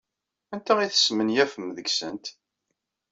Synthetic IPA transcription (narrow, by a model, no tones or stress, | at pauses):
ænt̪æiθə̥smənjæfəmðəɡsə̰nt̪